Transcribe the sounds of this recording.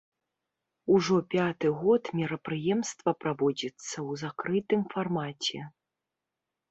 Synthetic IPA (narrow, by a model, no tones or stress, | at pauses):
uʐɔpʲat̪ɨɣɔt̪mʲiɾɐpɾɨjɛmst̪vɐpɾavɔd͡zʲit̪sːɐwzakɾɨt̪ɨmfarmat͡sʲɛ